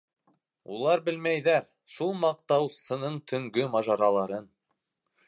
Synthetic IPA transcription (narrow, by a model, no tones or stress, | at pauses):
ulˠɑɾbɘ̆lmæjðæɾ | ʃulˠmɑqt̪ɑwsɤ̆nɤɴt̪ʰɵ̆ŋɡɵmɑʒɑɾɑlˠɑɾɤn